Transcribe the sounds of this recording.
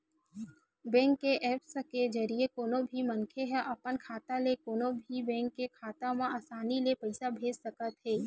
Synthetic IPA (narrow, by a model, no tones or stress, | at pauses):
bɛ̃ːŋkːeʔɛːpsked͡ʒəɾijekoːnobʱimənkʰeɦɛʔɐpənkʰaːt̪alekoːnobʱibɛ̃ːŋkːekʰaːt̪ãmãaːsaːnilepɐɪsabʱeːd͡ʒsəkət̪ɦɛː